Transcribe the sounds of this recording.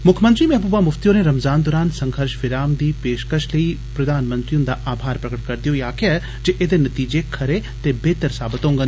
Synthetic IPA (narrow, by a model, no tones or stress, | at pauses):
mʊkʰmə̃nt̪ɾimɛɦbubaːmʊft̪ijõneɾɐmzaːnd̪ɔːɾaːnsɐ̃ŋɡəɾʃʋɪɾaːmd̪iːpeːʃkəʃləiː | pɾɐd̪aːnmə̃nt̪ɾiʊ̃nd̪aʔaːbʱaːɾpɾɐkəʈ̚kɐɾd̪ijojaːkea | d͡ʒeʔeːd̪enɐt̪iːd͡ʒekʰɐɾet̪ebeːt̪əɾsaːbət̪ɦõːŋɡən